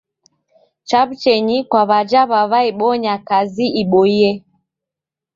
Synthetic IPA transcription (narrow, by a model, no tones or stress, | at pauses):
t͡ʃabt͡ʃɛɲikwaβad͡ʒaβaβaiɓɔɲakaziiɓɔiɛ